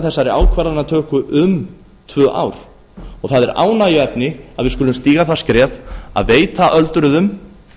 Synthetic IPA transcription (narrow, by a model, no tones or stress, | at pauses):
θɛsːaɾɪaːwkʰvaɾðanat̪ʰœːhkʏʔʏm | t̪ʰvœːʔa̰wɾ̥ | ɔɣθaðɛɾa̰ːwnajʏɛpnɪa̰ðvɪðskʏlʏmst̪iːɣaθḁskɾɛːva̰ðveːjt̪aʔœlt̪ʏɾʏðʏm